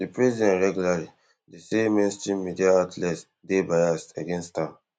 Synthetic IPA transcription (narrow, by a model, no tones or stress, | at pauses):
dipɹɛzidɛ̃nɹɛɡjulali | deseminstɹĩmidiaatʰlɛt | debajasaɡɛ̃nstʰãm